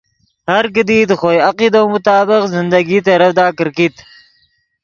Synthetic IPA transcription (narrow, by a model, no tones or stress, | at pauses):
haɾkəd̪id̪əxojaqid̪awmʊt̪ɑːbɪqzɪnd̪aɡit̪aɾafd̪ɑːkəɾkit̪